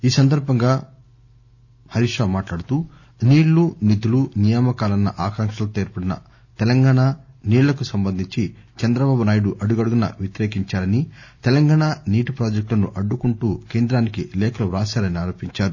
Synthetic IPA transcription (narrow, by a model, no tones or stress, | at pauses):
iːsɐnd̪ɐɾbʱɐŋɡaː | hɐɾiʂaːmaːʈlaːɽut̪uː | niːɽlunit̪ulunijaːmɐkaːlɐnːɐ̰ʔaːkaːŋkʂɐlɐt̪eːɾpɐɽinɐ̰ | t̪ɛlɐŋɡaːɳaːniːlɐkusɐmbɐnd̪ʱiɲt͡ʃit͡ʃɛnd̪ɾɐbaːbunaːjiɽuʔɐɽuɡɐɽuɡunɐ̰ʋjet̪iɾeːkiɲt͡ʃaːɾɐnit̪ɛlɐŋɡaːɳaniːʈupɾoːd͡ʒek̚ʈlɐnṵʔɐɖːukuɳʈuːke̞ːnd̪ɾaːnikilɛːkɐluɾaːʃaːɾɐniaːɾo̞ːpiɲt͡ʃaːɾu